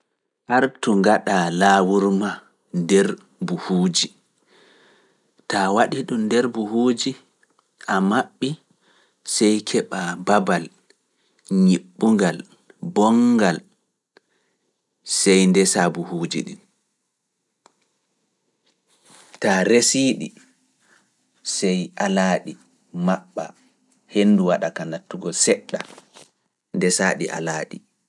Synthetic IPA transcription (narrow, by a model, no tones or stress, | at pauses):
haɾtuŋɡaɗalaːwuɾma | ndɛɾ | buhuːd͡ʒi | tawaɗiɗumdɛɾbuhuːd͡ʒi | ʔamaɓːi | sɛjkʰɛɓababal | ɲiɓːuŋɡal | bɔŋɡal | sɛjndɛsabuhuːd͡ʒḭɗḭn | taɾesiːɗḭ | sɛjʔalaːɗi | maɓːa̰ | henːduwaɗakanatːuɡɔsɛɗːa | ndɛsaːɗḭʔa̰laːɗi